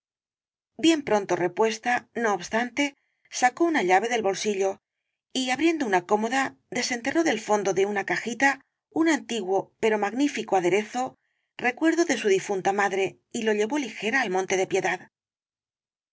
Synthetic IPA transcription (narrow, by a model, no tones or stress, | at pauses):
bje̞mpɾo̞nt̪o̞re̞pwe̞st̪ano̞ːβst̪ant̪e̞ | sako̞unaʎaβe̞ðe̞lβo̞lsiʎo̞ | iaβɾje̞nd̪o̞unako̞mo̞ða | ðe̞se̞nt̪e̞ro̞ðe̞lfo̞nd̪o̞ðe̞unakaxit̪a | unant̪iɣwo̞pe̞ɾo̞maɣnifikoaðe̞ɾe̞θo̞ | re̞kwe̞ɾðo̞ðe̞suðifunt̪amaðɾe̞ | ilo̞ʎe̞βo̞lixe̞ɾaːlmõ̞nt̪e̞ðe̞pje̞ðað